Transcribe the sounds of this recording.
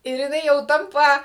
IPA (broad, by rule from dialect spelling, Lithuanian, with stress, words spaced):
ɪr jɪˈnɐɪ jɛʊ ˈtɐmpɐ